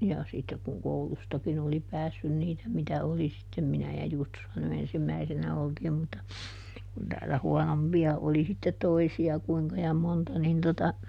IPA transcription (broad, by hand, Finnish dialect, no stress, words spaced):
jɑ sitːek kuŋ koulustɑkin oli pæːsːyn niːtæ mitæ oli sitːem minæ jɑ justushɑn ny ensimːæisinæ oltiːm mutːɑ kun tæːlːæ huɔnompiɑ oli sitːet toisiɑ kuiŋkɑ jɑ montɑ nin totɑ